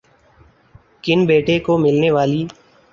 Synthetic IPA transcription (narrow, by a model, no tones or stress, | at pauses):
kɪnbeːʈekoːmɪlneːʋaːliː